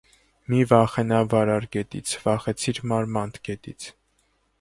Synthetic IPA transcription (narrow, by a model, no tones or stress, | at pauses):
mivɑχɛnɑvɑɾɑɾɡɛt̪ḭt͡sʰvɑχɛt͡sʰiɾmɑɾmɑnt̪ʰɡɛt̪it͡sʰ